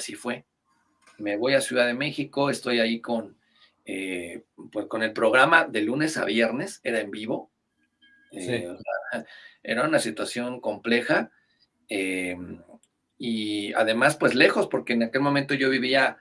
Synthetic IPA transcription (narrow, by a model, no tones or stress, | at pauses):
sifwe̞ | me̞β̞o̞jasjuðaðeme̞xiko̞e̞st̪o̞jaiko̞n | epwe̞sko̞ne̞lpɾo̞ɣɾamaðe̞lune̞sa̰βje̞ɾne̞se̞ɾae̞mbiβo̞ | eosae̞̰ɾaunasit̪wasjo̞ŋko̞mple̞xa | em | ia̰ðe̞maspwe̞zle̞xo̞spo̞ɾkeːnake̞lmomẽnt̪oʝo̞βiβia